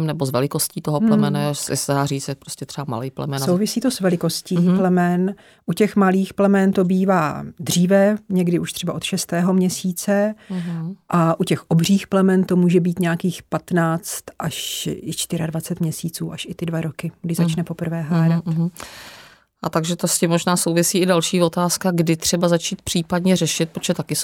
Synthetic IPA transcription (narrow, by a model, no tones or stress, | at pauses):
mnɛbozvɛlɪkosciːt̪oɦolɛmɛnasɪ̰sɛdaːriːt͡sjɛpɾoscɛt̪r̥ɛbama̰liːplɛmɛsnowvɪsiːt̪o̞svɛlɪko̞sciːplɛmɛn | ʔucɛxmaliːxplɛmɛnt̪o̞biːvaːd̪r̝iːvɛɲɛɡdɪʔuʃt̪r̥ɛbaʔo̞t̪ʃɛst̪ɛːɦo̞mɲɛsiːt͡sɛ | ʔaʔucɛxʔo̞br̝iːxplɛmɛnt̪o̞muːʒɛbiːt̪ɲɛjakiːxpat̪naːt͡st̪ʔaʃɪt͡ʃt̪ɪɾadvat͡sɛt̪mɲɛsiːt͡suːʔaʃɪt̪ɪdvaɾokɪɡdɪʒzat͡ʃnɛpopr̩vɛːɦaːɾat̪ | ʔat̪aɡʒɛt̪oscimːoʒnaːsowvɪsiːɪdalʃiːvot̪aːskaɡdɪt̪r̝̥ɛbazat͡ʃiːt̪̚pr̝̥iːpadɲɛrɛʃɪt̪̚pɾotʒɛt̪akɪ